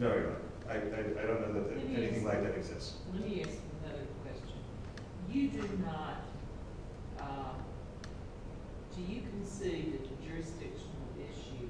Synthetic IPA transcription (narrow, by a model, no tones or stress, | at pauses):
noʊna̰ | aɪaɪa̰ɪdõʊ̃nːoʊðɨt̪̚ðɛniθɪ̃ŋlaɪk̚ðɨɾɨɡzɪ̰sts | lɛt̚miæskənʌðə˞kʰw̥ɛst͡ʃɨ̃n | jɨdɨdⁿnət̚ | d̥ɨjɨkʰɨ̃nsiðɨd͡ʒʊɹɨsd̥ɪkʃnl̩ˠɪʃʉ